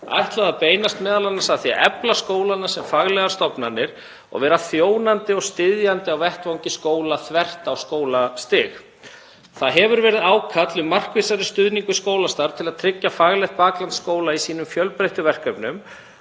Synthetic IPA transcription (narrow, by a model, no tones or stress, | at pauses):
a̰jht̪laðapeːjnast̪mɛːðalanːasaðθia̰ʔɛplaskoːwlanːasɛmfaɣlɛɣaɾ̥st̪ɔpnanːɪɾ̥ | ɔ̰ɣvɛːɾaθjoːwnant̪ɪɔɣst̪ɪðjant̪ɪawvɛht̪vawɲcɪskoːwlaθvɛr̥t̪awskoːwlast̪ɪx | θaðɦɛvʏɾvɛːɾɪðaːwkʰat̪lʏmar̥kvɪsaɾɪst̪ʏðniŋkʏ̥skoːwlast̪aɾ̥t̪ʰɪlaðt̪ʰɾɪcːafaɣlɛxt̪̚paːklant̪skoːwlaisiːnʏmfjœlpɾejht̪ʏvɛr̥kœpnʏm